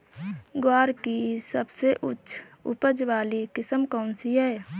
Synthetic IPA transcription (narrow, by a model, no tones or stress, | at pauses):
ɡwaːɾkisəbseʔʊtːʃʰ | ʊ̰pəd͡ʒʋaːlikɪsəmkɔːnsiɦɛː